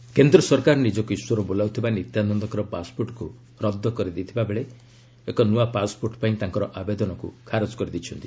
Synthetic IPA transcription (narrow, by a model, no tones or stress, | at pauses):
kend̪ɾɔsɔɾkaɾɔnid͡ʒɔkuiswɔɾɔbolawt̪ʰibanit̪janɔnd̪ɔkɔɾɔpaspoɾʈɔ̥ku | ɾɔd̪ːɔkɔɾid̪it̪ʰibabeɭe | ekɔnuapaspoɾʈɔpaĩt̪aŋkɔɾɔʔabed̪ɔnɔkṵkʰaɾɔd͡ʒɔ̥kɔɾid̪it͡ʃʰɔnt̪i